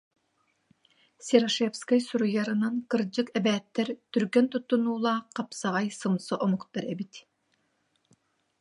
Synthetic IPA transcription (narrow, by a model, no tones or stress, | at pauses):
sʲeɾoʃefskɑjsuɾujɑɾɯnɯnkɯɾd͡ʒɯkɛbɛːt̪ːɛɾt̪ʰyɾkɛnt̪ut̪ːunuːlˠɑːqʰɑpsɑʁɑjsɯmsoʔomuqt̪ɯɾebit̪